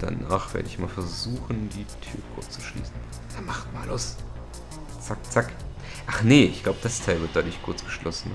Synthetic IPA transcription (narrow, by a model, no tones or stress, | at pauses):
d̥a̰na̰ːχv̥ḛɐdəɪçmaːlfɛɐzuːxn̩diːtʰyːɐkʰʊ̰ɐt͡st͡su̥ʃlḭːsn̩ | d̥amaχtmaːlʔʊs | t͡sak̚t͡sak | ʔaχnəɪçɡ̥laʊbəd̥astʰaɪlvɪɐt̚d̥adʊɐçkʰʊɐt͡sɡ̥ə̥ʃlʔɔsn̩